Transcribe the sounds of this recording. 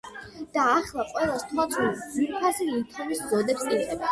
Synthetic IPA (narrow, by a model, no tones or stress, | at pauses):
d̪̥aːχlˠaqʼwɛlˠast̪ʰwat̪sʰnad̪ziɾpʰasiit̪ʰɔmiszɔd̪ɛpsidʼɛba